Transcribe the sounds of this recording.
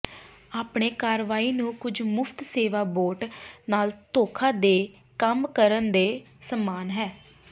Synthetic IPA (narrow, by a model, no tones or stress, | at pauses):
aːpɳeːkaːɾʋaːiːnũːkʊd͡ʒmʊpʰt̪seːʋaːboːɾʈnaːlt̪oːkʰaːd̪eː | kəmkəɾənd̪eː | səmːaːnɦɛː